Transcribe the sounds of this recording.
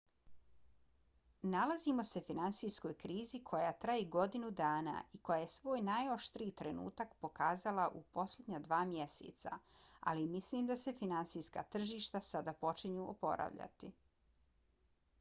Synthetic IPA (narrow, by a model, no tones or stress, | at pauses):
nalazimo̞se̞finant̪sisko̞jkɾiːzikʰo̞jat̪ɾajiɡo̞d̪inud̪aːna̰iko̞jajesʋo̞ːjnajo̞ʃt̪ɾiːt̪ɾe̞nṵːt̪akpo̞kaːzalˠaʔupo̞slʲed̪ɲad̪ʋaːmjesḛt̪sa̰a̰limislimd̪ase̞finant̪sijska̰t̪r̩ʒiːʃt̪asad̪apo̞t͡ʃiɲuːʔopo̞̰ɾa̰ʋʎa̰t̪i